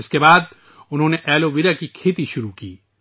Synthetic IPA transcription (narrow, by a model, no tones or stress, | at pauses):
ɪskebaːd̪̚ | ʊnɦõːneʔɛːloʋiɾakikʰeːt̪iʃʊɾukiː